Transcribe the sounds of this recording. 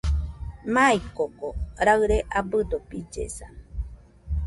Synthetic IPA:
maikokoɾaɨɾeʔabɨd̪opid͡ʒḛsa

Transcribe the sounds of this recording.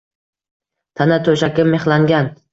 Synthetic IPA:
t̪ʰanat̪ʰɵʃakʲɪmːeχlaŋɡʲan

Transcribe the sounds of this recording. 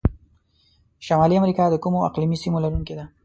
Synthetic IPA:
ʃamɑliamɾikɑd̪əkumoa̰qlimisimolaɾuŋked̪a

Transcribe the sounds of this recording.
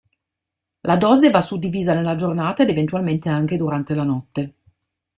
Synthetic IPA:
lʔad̪ɔːzevasud̪ːiviːzanelːad͡ʒornaːt̪aed̪event̪ualment̪eaŋk̟ed̪uɾant̪elanɔt̪ːe

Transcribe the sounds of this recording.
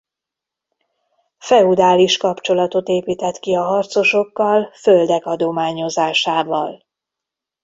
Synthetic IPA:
fɛud̪aːliʃkɒpt͡ʃo̞lɒt̪o̞t̪eːpiːt̪ɛt̪kiɒɦɒrt̪so̞ʃo̞kːɒlfø̞ld̪ɛkɒd̪o̞maːɲo̞zaːʃaːvɒl

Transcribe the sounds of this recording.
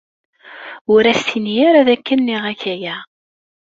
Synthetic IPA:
ʊɾæsθinjæɾæðækːənːiʁæçæjæ

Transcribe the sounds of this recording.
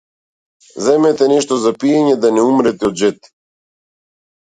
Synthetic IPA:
zɛmɛt̪ɛnɛʃt̪ɔzapijɛɲɛd̪anɛumɾɛt̪ɛɔd̪ʒɛt̪i̥

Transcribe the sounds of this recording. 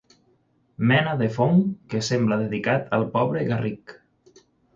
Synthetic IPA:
mɛnaðefoŋkesemblaðeðikat̪alˠpɔβɾeɣarik

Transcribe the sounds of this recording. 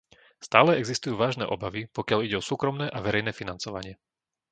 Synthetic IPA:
st̪aːlɛɛɡzist̪ujuːʋaːʒnɛ̰ːʔɔbaʋipɔkɪaʎiɟɛɔsuːkɾɔmnɛːʔaʋɛɾɛjnɛːfinant͡sɔʋa̰ɲɪɛ

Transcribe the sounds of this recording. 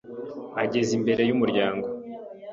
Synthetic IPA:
aɟe̞zimbe̞ɾe̞jumuɾɟaːŋɡo̞

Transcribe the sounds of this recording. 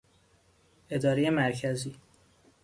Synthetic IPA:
ʔe̞d̪ɒːɾejemæɾcʰæziː

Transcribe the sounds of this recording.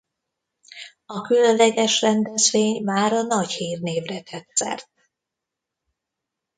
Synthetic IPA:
ɒkylønlɛɡɛʃrɛnd̪ɛzveːɲmaːɾɒnɒchiːrneːvrɛt̪ʰɛt̪sɛ̰rt̪̚

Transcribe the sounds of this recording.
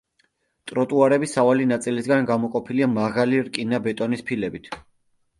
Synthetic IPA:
t̪ʼɾɔt̪ʼuaɾɛbisavalinat̪sʼilisɡanɡamɔqʼɔpʰiliamaʁaliɾkʼinabɛt̪ʼɔnispʰilɛbit̪ʰ

